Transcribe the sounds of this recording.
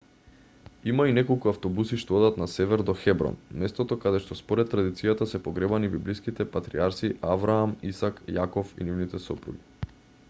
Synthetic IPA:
imainɛkolˠkuaft̪ɔbusiʃt̪ood̪at̪nasɛvɛɾd̪ɔxɛbɾɔ̰nmɛst̪ɔt̪okad̪ɛʃt̪ɔspoɾɛt̪̚ːɾad̪it̪sijat̪asɛpoɡɾɛbanibiblijskit̪ɛpat̪ɾḭaɾsiʔavɾaːmisakjakɔfḭnivnit̪ɛsɔpɾṵɡi

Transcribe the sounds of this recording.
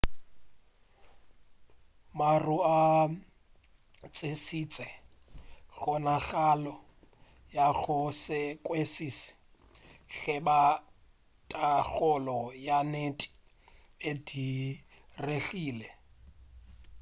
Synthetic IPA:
marua | t͡sʼɪsit͡sʼɛ | ɬɔnaɣalɔ | jaɣʊsɪkʼwesisɪ̥ | ɬɪba | tʼaɣɔlɔjanetʼi̥ | edi | reɬiːlɛ

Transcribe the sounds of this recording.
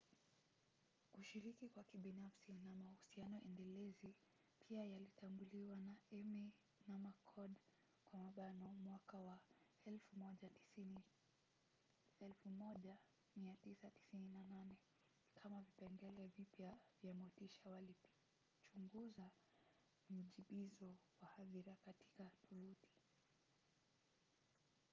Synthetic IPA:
kuʃiɾikikwakiɓinafsinamahusianɔʔɛndɛlɛzi | pʰiajalitambuliwanaɛmi | namakʰɔɗ | kwamaɓanɔmwakawaɛlfumɔʄaii | ɛlfumɔʄa | miatisati̥sininananɛ | kʰamavipɛŋɡɛlɛvipjavjamɔtiʃawali | t͡ʃuŋɡuza | m̩ʄiɓizɔwahaðiɾakati̥katʰuluti̥

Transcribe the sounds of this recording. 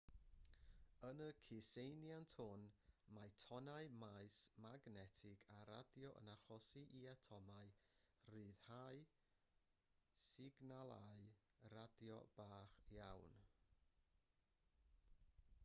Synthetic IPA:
ənəkʰɪsejnjantʰhʊnmajtʰɔnaɨmaɨsmaɡnɛtʰɪɡaɾa̰djɔʔə̰naχɔsiʔiatʰɔmaɨrɨːð̥haɨ | sɪɡnalˠaɨ | radjɔ̰b̥aːχjawn

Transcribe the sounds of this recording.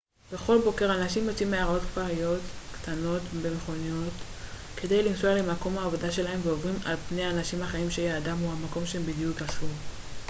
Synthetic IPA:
be̞χo̞lbo̞ke̞ʁanaʃimjot͡simːeaʁao̞t̪kvaʁijo̞tkt̪ano̞tbe̞meχo̞nijo̞t | kʰe̞dejlimsoalemako̞mhaːvo̞daʃe̞lahe̞mveovʁimalpnejaːnaʃimhaχaimʃejeadamhuhamako̞mʃeembid̪jukaʃuʁ

